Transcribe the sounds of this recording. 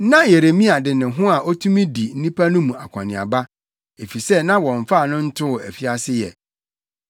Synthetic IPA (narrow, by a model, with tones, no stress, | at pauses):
nã˦je˨ɾe˨mĩ˦a˨dɪ˨nɪ̃˨ɦʊ̃˦a˨ʔɔ˦tʰũ˦mĩ˦di˨n̩˦nĩ˦pʰa˦nʊ̃˦mũ˨a˨kʷʰã̰˨nɪ̃˨a̰˨ba˦ | e˨fi˨sɛ˦nã˦wɔ̃˨ɱ˨fa˦˨nʊ̃˦n̩˦tʰʊ˦˨æ˨fi˦a˦sɪ˦jɛ̰˨